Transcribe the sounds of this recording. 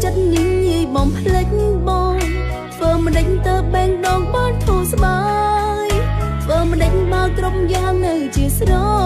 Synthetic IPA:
t͡ɕət̪̚ɲɨŋɲiəjɓɑŋpʰlɨk̚ɓɑŋʰ | ʋəːməɗəc̚t̪əːp̚ɓɛːŋɗɑːŋɓaːnt̪ʰuːsɓaː | j | t̪ʰʋəːməɗəc̚ɓakromjaːŋnɨwt͡ɕiəsrɔ

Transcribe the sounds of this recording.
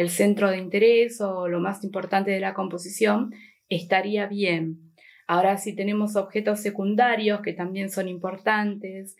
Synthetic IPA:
else̞nt̪ɾo̞ð̞eint̪e̞ɾesolo̞masimpo̞ɾt̪ant̪eð̞elako̞mpo̞sisjo̞n | est̪aɾiaβjen | ao̞ɾasit̪e̞ne̞mo̞s̬o̞βxe̞t̪o̞sːe̞kund̪aɾjo̞ske̞t̪ambje̞nso̞nimpo̞ɾt̪ant̪es

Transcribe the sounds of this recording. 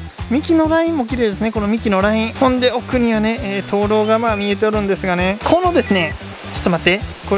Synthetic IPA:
mʲikʲino̞ɾaĩmːo̞k̬ʲiɾed̪esɨne̞ko̞no̞mʲikʲino̞ɾaĩhõ̞nd̪e̞o̞kɯ̟ɲ̟iβane̞ːt̪ʰo̞ːɾo̞ːɡamaːmʲie̞t̪e̞oɾɯ̟̃nd̪e̞sɨɡane̞kʰonod̪e̞sɨne̞ | t͡ɕo̥t̪ːomat̪e̞ | ko

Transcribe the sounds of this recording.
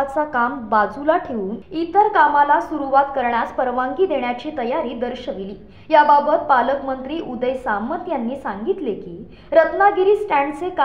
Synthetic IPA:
t͡sakambad͡zulaʈʰeʋuːnit̪əɾkamalasuɾuʋat̪kəɾɳjaspəɾʋaŋɡiːd̪eɳjat͡ɕiːt̪əjaɾiːd̪əɾɕəʋiliː | jababət̪̚paləkmənt̪ɾiːʔud̪əjsamət̪janːiːsaŋɡit̪lekiː | ɾət̪naɡiɾiːsʈæ̃ɳɖt͡sek

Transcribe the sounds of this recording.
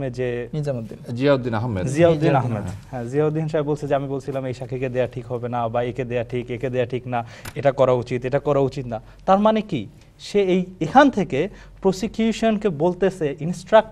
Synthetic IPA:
ed͡ʑeniad͡ʑiaod̪ːinaɦmːḛd͡ʑiaod̪ːinaɦmːed̪hɛ̃ziaod̪ːiinʃaebolt͡ɕʰed͡ʑeamibolt͡ɕʰilamejʃakʰiked̪eaʈʰikɦɔbenabaeked̪eaʈʰikeked̪eaʈʰiknaeʈakɔɾaut͡ɕit̪eʈakɔɾaut͡ɕit̪na | t̪aɾmaneki | ʃeejekʰant̪ʰeke | pɾosikjuʃonkebolt̪esʰeʔinsʈɾak̚

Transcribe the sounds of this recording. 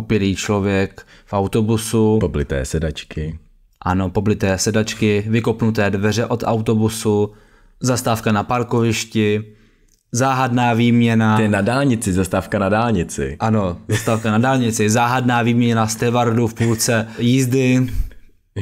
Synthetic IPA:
popɪliːt͡ʃlo̞vjɛk | fʔawt̪o̞busupoblɪt̪ɛ̰ːsɛdat͡ʃkɪ | ʔano̞po̞blɪt̪ɛːsɛdat͡ʃkɪvɪkopnut̪̬ɛːdvɛrɛʔo̞t̪awt̪o̞busu | zast̪aːfkanapaɾkovɪʃcɪ | zaːɦadnaːviːmɲɛnanadaːlɲɪt͡sɪzast̪aːfkanadaːlɲɪt͡sɪ̰ʔano̞zast̪aːfkanadaːlɲɪt͡sɪzaːɦadnaːviːmɲɛnast̪ɛvaɾdufpuːlt͡sɛjiːzdɪ

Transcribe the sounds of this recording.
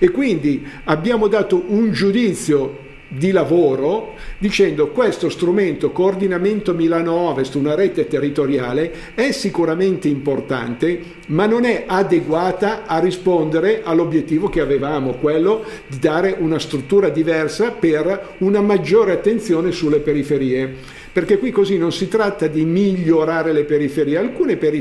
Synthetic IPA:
ekːwind̪iabjaːmod̪aːt̪oʔund͡ʒud̪it̪sːjo | d̪ilavoːɾod̪it͡ʃɛnd̪okwest̪ost̪ɾument̪okoːrd̪inament̪omilanoɔvest̪unaɾeːt̪et̪erːit̪oɾjaːle | ɛsːikuɾament̪eimport̪a̰nt̪e | manːonɛʔad̪eɡwaːt̪aːrːispond̪eɾeʔalːobjet̪ːiːvokeavevaːmokwelːod̪id̪aːɾeʔunast̪ɾut̪ːuːɾad̪ivɛrsaper | unamad͡ʒːoːɾeat̪ːent̪sjoːnesulːepeɾifeɾiːe | perkekwikːozinːonsit̪ɾat̪ːad̪imiʎːoɾaːɾelepeɾifeɾiːealkuːnepeɾi

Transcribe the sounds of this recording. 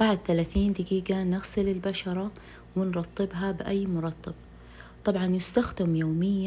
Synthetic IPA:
baʕad̪̚θalaːθiːnd̪ɪɡiːɡanɪɣsɪlɪlbaʃɑɾˤɑ | wɪnɾˤɑt̪ˤːɨbɦabɪʔajːmʊɾˤɑt̪ˤːɨb̚ | t̪ˤɑbʕɑnjʊst̪axd̪ɪmjoːmɪjːa

